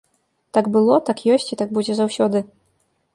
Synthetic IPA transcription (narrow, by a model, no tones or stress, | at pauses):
t̪aɡbɨlˠɔt̪akjɔsʲt͡sʲit̪aɡ̚bud͡zʲɛzawsʲɔd̪ɨ